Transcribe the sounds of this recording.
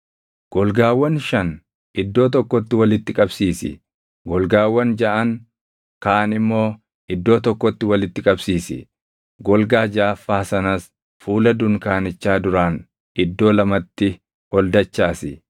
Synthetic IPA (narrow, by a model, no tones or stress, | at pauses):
ɡ̥ɔlɡaːwːɐnʃɐn | ɪd̪ːo̞ːt̪̬ɔkːɔt̪ːɪwɐlɪt̪ːɪkʼɐbsiːsɪ̰ | ɡɔlɡaːwːɐnd͡ʒɐʔɐŋ | kaːnɪmːo̞ː | ɪd̪ːo̞ːt̪ɔkːɔt̪ːɪwɐlɪt̪ːɪkʼɐbsiːsɪ̰ | ɡɔlɡaːd͡ʒaːfːaːsɐnɐs | fuːlɐd̪ʊŋkaːnɪt͡ʃːaːd̪ʊɾaːn | ɪd̪ːo̞ːlɐmɐt̪ːɪ | ɔld̪ɐt͡ʃːaːsɪ